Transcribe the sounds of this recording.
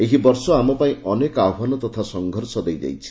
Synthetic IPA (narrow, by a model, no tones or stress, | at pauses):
eɦibɔɾsɔamɔpaĩʔɔnekaanɔt̪ɔt̪ʰasɔŋɡʱɔɾsɔd̪ejd͡ʒa̰jt͡ʃʰi̥